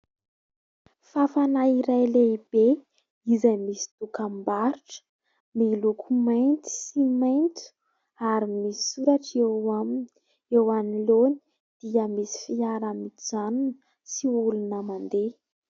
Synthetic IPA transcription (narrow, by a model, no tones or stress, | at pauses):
fafanaiɾajleib̥e | izajmisi̥t̪ukambaɾuʈ͡ʂə̥ | milukʰumajnt̪i̥simajnt̪u̥ | aɾimisi̥suɾaʈ͡ʂeamin | ewaniloni̥ | d̪̥iəmisi̥fiaɾamid͡zanunə | siulunəmand̪e